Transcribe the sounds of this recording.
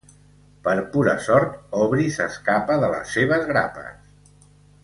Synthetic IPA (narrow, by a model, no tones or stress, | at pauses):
pəɾpuɾə̰sɔɾt̪ɔβɾisəskapəðələ̰sːeβəzɣɾa̰pə̰s